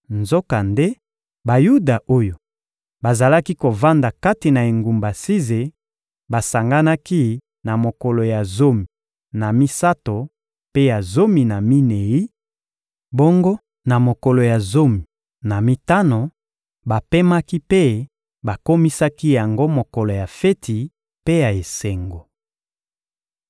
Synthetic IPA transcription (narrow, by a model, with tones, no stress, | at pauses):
nzo˦ka˨nde˦ | ba˨ju˦da˨ʔo˦jo˨ | ba˨za˨la˦ki˦ko˨va˦nda˨ka˦ti˨na˨e˨ŋɡu˨mba˨si˦ze˨ | ba˨sa˨ŋɡa˦na˦ki˦ | na˨mo˨ko˨lo˨ja˨zo˦mi˨ | na˨mi˦sa˦to˨ | pe˦ja˨zo˦mi˨na˨mi˦ne˨i˦ | bo˦ŋɡo˦ | na˨mo˨ko˨lo˨ja˨zo˦mi˨ | na˨mi˦ta˦no˨ | ba˨pe˦ma˦ki˦pe˦ | ba˨ko˦mi˦sa˦ki˦ja˨ŋɡo˦mo˨ko˨lo˨ja˨fe˦tʰi˨ | pe˦ja˨e˨se˨ŋɡo˨